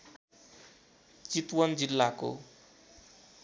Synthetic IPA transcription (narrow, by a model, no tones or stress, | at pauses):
t͡sit̪wʌnd͡zilːako̰